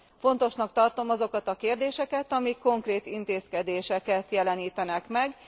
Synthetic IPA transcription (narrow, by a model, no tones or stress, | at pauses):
fo̞nt̪o̞ʃnɒkt̪ɒrt̪o̞mɒzo̞kɒt̪ɒkeːrd̪eːʃɛkɛt̪ɒmikːo̞ŋkreːt̪int̪eːskɛd̪eːʃɛkɛt̪jɛlɛniːt̪ɛnɛkmɛɡ